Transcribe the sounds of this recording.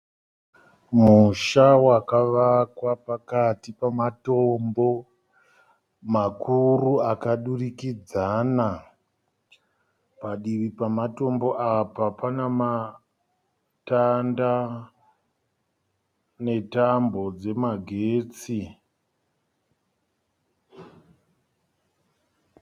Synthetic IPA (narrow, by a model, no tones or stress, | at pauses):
muʃawakaʋakwapakatipamatombo̞ | makʰuruakaɗurikid͡zaːna | paɗiʋipamato̞mbo̞ʔapapanama | tanda | ne̞tambo̞d͡ze̞maɡʱeːt͡si